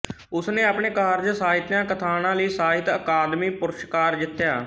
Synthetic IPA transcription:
ʊsnẽːaːpɳeːkaːɾd͡ʒsaːɦɪt̪jãːkət̪ʰaːnãːləiːsaːɦɪt̪əkaːd̪miːpʊɾʃkaːɾd͡ʒ̪ɪt̪ːjaː

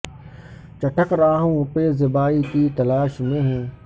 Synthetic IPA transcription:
t͡ɕɐʈʰəkɾaːɦũːʊpeːzɪbaːit̪iːt̪ɐlaːʃmẽːɦẽː

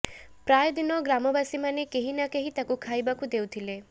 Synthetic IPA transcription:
pɾajd̪inɔɡɾamɔbasimanekeɦinakeɦit̪akukʰajbakud̪ewt̪ʰile

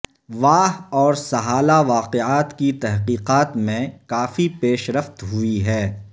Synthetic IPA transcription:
ʋaːɦɔːɾsɐɦaːlaʋaːqeaːt̪kit̪ɛɦqiːqaːt̪mẽkaːfipeːʃɾəft̪ɦuiɦɛː

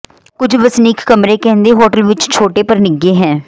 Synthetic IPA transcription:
kʊd͡ʒʱʋəsniːkʰːəmɾeːkɛ̃ːnd̪eːɦoːʈəlʋɪt͡ʃt͡ʃʰoːʈeːpəɾnɪɡːeːɦɛ̃ː

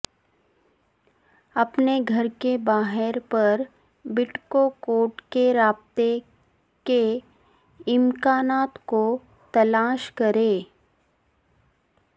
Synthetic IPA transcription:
ɐpneɡʱɐɾkebaːɦɪɾpɐɾ | bɪʈkokoːʈkeɾaːb̚t̪e | ke | ɪmkaːnaːt̪ko | t̪ɐlaːʃkɐɾeː

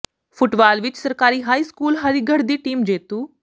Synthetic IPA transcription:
fʊʈbaːlʋɪt͡ʃsɐɾkaːɾiːɦaːiskuːlɦɐɾiːɡʱəɽd̪iːʈiːmd͡ʒeːt̪uː

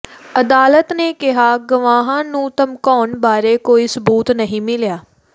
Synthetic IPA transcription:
əd̪aːlət̪neːkɪɦaːɡəʋaːɦãːnũːt̪əmkɔːnbaːɾeːkoːiːsəbuːt̪nəɦĩːmɪljaː

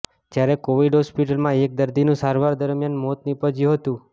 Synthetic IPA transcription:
d͡ʒjaɾekoʋiɖɦɔspiʈəlmãek̚d̪əɾd̪inũsaɾʋaɾd̪əɾmjanmɔt̪nipəd͡ʒuɦət̪ũ

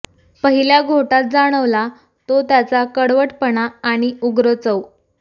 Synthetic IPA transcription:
pəɦiljaɡʱoʈat̪̚d͡zaɽ̃əʋla | t̪ot̪jat͡sakəɽʋəʈpəɳaːɽ̃iuɡɾət͡səw

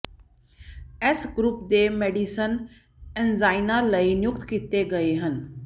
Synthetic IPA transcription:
esɡɾʊp̚d̪emeːɖisən | enzaːɪnaləinjʊkt̪kit̪eɡəeɦən

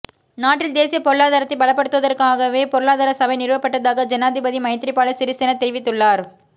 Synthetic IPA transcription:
naːʈːrɪld̪eːsɪjɐpɔɾɯɭaːðaːɾɐt̪ːɐɪbɐɭɐpːɐɽɯt̪ːʊʋɐðɐɾkaːɣɐʋeːpɔɾɯɭaːðaːɾɐsɐbɐɪnɪɾʋɐpːɐʈːɐðaːɣɐd͡ʒɐnaːðɪbɐðimɐɪt̪ɾɪpːaːlɐsɪɾɪsɪnɐt̪ːɛɾɪʋɪt̪ːɯɭːaːɾ

